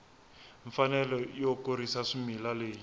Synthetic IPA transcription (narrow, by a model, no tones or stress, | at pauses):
ɱfanɛlɔijɔkoɾisaʂimilaleːji